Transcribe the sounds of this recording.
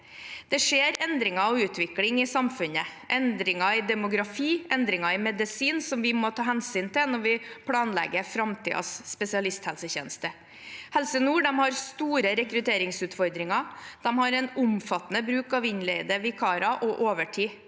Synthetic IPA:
d̪̥ɛʂeːɾɛnd̪ɾɪŋɑɔʋʉːt̪ʰʋɪklɪŋɪsɑmfʉnəʔɛnd̪ɾɪŋɑɪd̪ɛmʊɡɾɑfiːʔɛnd̪ɾɪŋɑɪmɛd̪ɪsiːnsɔmʋɪmɔt̪ʰɑːɦɛnsiːnt̪ɪnɔɾʋɪpʰlɑːnlɛ̰ɡːəfɾɑmt̪ʰḭːɑ̰sːpɛsɪɑlɪst̪hɛlsəçḛːnəst̪ə | hɛlsənuːɖɛmhɑɾst̪uːɾəɾɛkɾʉt̪ʰeːɾɪŋsʉːt̪fɔɾd̪ɾɪŋɑd̪̥ɛmhɑɾɛnʊmfɑt̪ːənəbɾʉːkɑʋɪɲlɛɪd̪əʋɪkʰɑːɾɑʔɔʔoːʋəʈʰiː

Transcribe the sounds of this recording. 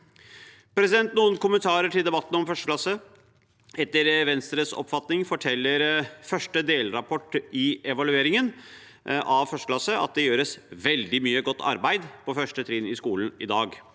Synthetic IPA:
pʰɾɛsɪd̪ɛnt̪̚nuːənkʊmənt̪ʰɑːɾəʈɪld̪ɛbɑt̪ːn̩ɔmfœʂʈəklɑsːə | ɛt̪ːəɾʋɛnst̪ɾəsɔ̰pfɑt̪nɪŋfɔʈʰɛlːəɾfœʂʈəd̪eːlɾɑpʰɔʈːɪɛʋɑlʉeːɾɪŋən | ʔɑʋfœʂʈəklɑsəʔɑ̰t̪̚d̪ɛjøːɾəsʋɛld̪ɪmyːəɡɔt̪ːɑ̰ɾbæɪd̪pʰɔfœʂʈət̪ʰɾɪnɪskuːln̩ɪd̪ɑːɡ

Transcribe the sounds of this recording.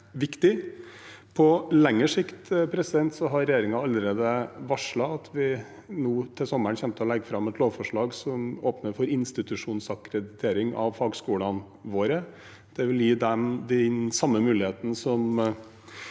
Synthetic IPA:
ʋɪkt̪ɪ | pʰɔlɛŋːəʂɪkt̪pʰɾɛsɪd̪ɛnt̪sɔɦɑɾɛjeːɾɪŋɑɑlːəɾeːd̪əʋɑʂɭɑɑt̪ʰʋɪ | nuːt̪ʰɪlsɔmːəɳçɛnt̪əɔlɛɡːəfɾɑmɛt̪loːʋfɔʂɭɑːɡsɔmoːpnəɾfɔɾɪnst̪ɪt̪ʉʂuːnsɑkɾɛd̪ɪt̪ʰeːɾɪŋɑ̰ʋfɑːɡskuːlɑn | ʋoːɾə | d̪̥ɛʋɪljiːd̪ɛmd̪ɛnsɑmːəmʉːlɪheːt̪ənəsɔm

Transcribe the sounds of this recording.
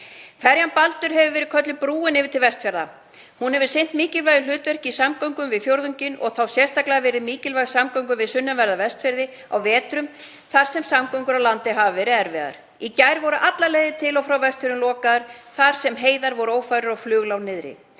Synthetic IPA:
fɛɾjanpalt̪ʏɾ̥hɦɛvʏvɛːɾɪkʰœt̪lɪpɾuːɪnɪːvɪɾt̪ɪlvɛst̪fɛɾða | hunhɛvɪ̥sɪn̥t̪miːcɪlvajɪlʏːt̪vɛr̥cɪisamkɔwŋkʏmvɪðfjowɾðʏɲcɪnɔ̰ɣθawsjɛst̪aklɛɣavɛːɾɪðmiːcɪlvajʏ̥samkɔwŋk̬ʏmvɪðsʏnːʏvɛɾðavɛst̪fɪɾðɪ | a̰wvɛːt̪ɾʏm | θaɾ̥sɛmsamkœwŋkʏɾawlant̪ɪɦavɪvɛɾɪɛɾvɛːða̰ɾ̥ | icajɾvɔɾʏʔat̪laɾleːjðɪt̪ʰɪlɔfɾawvɛst̪fɪɾɪnlɔːkaðʏɾ̥θaɾ̥sɛmɦeːjðaɾvɔɾʏoːwfajɾʏɾɔɣflʏːɣlawnɪðɾɪ̰

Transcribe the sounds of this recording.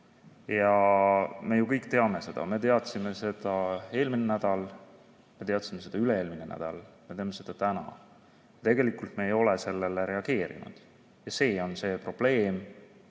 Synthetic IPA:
jɑ | me̞jukɤjkːˑt̪eɑme̞se̞d̪̥ɑ̰me̞t̪e̞ɑt̪sime̞se̞d̪̥ɑe̞ːlminenæd̪̥ɑl | me̞t̪e̞ɑt̪ˑsimese̞d̪̥ɑyleeːlminḛnæ̰d̪̥ɑlme̞t̪eɑme̞se̞d̪̥ɑt̪ænɑ̰ | jɑt̪e̞ɡe̞likult̪me̞ːjo̞lese̞lːe̞leɾe̞ɑɡe̞ːɾḭnṵd̪̥ | jɑse̞ːo̞nse̞ːpro̞b̥le̞ːm

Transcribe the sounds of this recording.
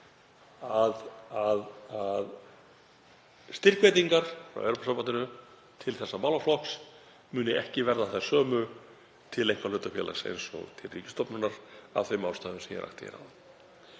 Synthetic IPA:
aðaðað | st̪ɪr̥kvejt̪iŋkaɾ̥fɾa̰wḛwɾɔpasampant̪ɪnʏ | t̪ʰɪlθɛsːamawlaflɔks | mʏːnɪɛhcɪvɛɾðaθḁsœːmʏ | t̪ʰɪlejŋkvaɾlʏt̪afjɛːla̰sḛjnsɔ̰ɣt̪ʰɪlriːcɪ̥st̪ɔpnʏnaɾ̥a̰vθeɥmawst̪aːðʏmsɛmjɛ̰ɾʔa̰xt̪ɪɛ̰ɾha̰ða

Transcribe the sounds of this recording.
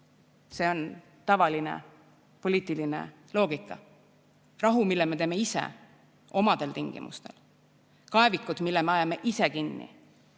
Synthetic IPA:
se̞o̞n | t̪ɑvɑlinḛ | po̞liːt̪ːˑiline̞̰ | lo̞ːɡ̥ikːˑɑ | rɑɦumilːeme̞t̪eːme̞isḛ | o̞mɑd̪̥e̞lt̪iŋɡ̥ḭmʔṵst̪e̞̰l | kɑe̞vikːˑud̪̥milːeme̞ɑjɑme̞ʔise̞kinːḭ

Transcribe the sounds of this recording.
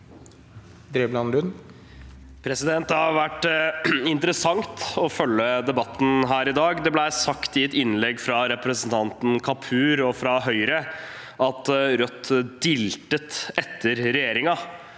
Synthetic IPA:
d̪ɾeːblɑnlʉn | pʰɾɛsɪd̪ɛnt̪ɑɑɾʋæʈː | ɪnt̪əɾəsɑŋt̪ɔfœlːəd̪ɛbɑt̪ːn̩ɦæːɾɪd̪ɑːɡd̪ɛblæɪsɑkt̪ɪɛt̪ɪnlɛɡːfɾɑɾɛpɾəsənt̪ʰɑnt̪n̩kʰɑpʰʉːɾɔfɾɑɦœʏɾə | ʔɑt̪ɾœt̪ːd̪ɪlt̪ət̪ɛt̪ʰːəɾɾɛjeːɾɪŋɑ

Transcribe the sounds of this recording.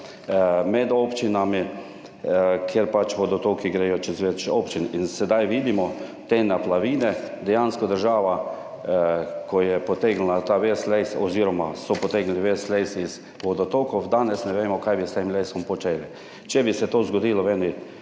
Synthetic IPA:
mɛd̪opt͡ʃinami | kʰjeɾpat͡ʃʋɔd̪ɔt̪okiɡɾeːjɔt͡ʃɛzʋet͡ʃoːpt͡ʃininsɛd̪ajʋiːd̪imɔt̪eːnaplaʋiːnɛd̪ɛjanskɔd̪əɾʒaːʋa | kɔjɛpɔt̪eːɡl̩at̪aʋesleɪsɔziːɾɔmasɔpɔt̪eːɡliʋesleɪsiz | ʋɔd̪ɔt̪okɔwd̪aːnɛsnɛʋeːmɔkajbist̪eːmlesɔmpɔt͡ʃeːli | t͡ʃɛbisɛt̪oːzɡɔd̪iːlɔʋɛni

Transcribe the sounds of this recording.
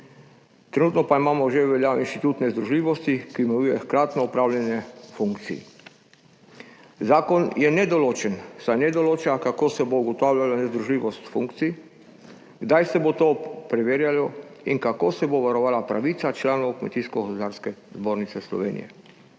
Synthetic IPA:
t̪ɾenuːt̪nɔpaimaːmɔʒeʋɛljaːoinʃt̪it̪uːt̪nɛzd̪ɾuʒliːʋɔst̪ikiumɛjujɛxkɾaːt̪nɔɔpɾaːwlʲjɛnjɛfuŋkt̪sḭɛ̰ | zaːkɔnjɛnɛd̪ɔloːt͡ʃɛnsajnɛd̪ɔloːt͡ʃakakoːsɛbouɡɔt̪aːwlʲalanɛzd̪ɾuʒliːʋɔst̪fuŋkt̪si | ɡd̪ajsɛbot̪oːpɾɛʋeːɾjalɔiŋkakoːsɛboʋaɾɔʋaːlapɾa̰ʋiːt̪sat͡ʃlaːnowkmɛt̪iːskɔɡɔspod̪aːɾskɛzboːɾnit̪sɛslɔ̰ʋeːnḭjɛ̰

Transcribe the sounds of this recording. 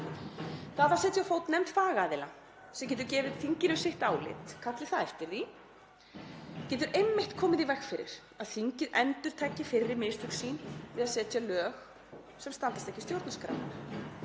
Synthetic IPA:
θaðθasɛːt̪sjafoːwt̪nɛmt̪faːɣaːðɪla̰ | sɛmc̬ɛːt̪̬ʏɾcɛːvɪðθiɲcɪnʏsɪht̪aːwlɪ̰t̪kʰat̪lɪθaðɛft̪ɪɾði | cɛːt̪ʏɾʔejmːɪht̪kʰɔːmɪðivɛxfɪɾɪ̰ɾ̥ | aðθiɲcɪðɛnt̪ʏɾ̥t̪ʰaːjcːɪfɪrːɪɾmɪst̪ʰʏksiːnvɪðaðsɛːt̪jalœːx | sɛmst̪ant̪ast̪ɛhcɪst̪jowɾt̪naskɾa̰wn

